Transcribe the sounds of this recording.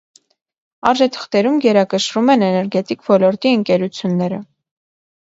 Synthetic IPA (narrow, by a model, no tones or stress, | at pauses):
ɑɾʒɛt̪ʰə̥χt̪ɛɾumɡɛɾɑkəʃɾumɛnɛnɛɾɡɛt̪ikvɔlɔɾt̪iəŋkɛɾut͡sʰjunːɛɾə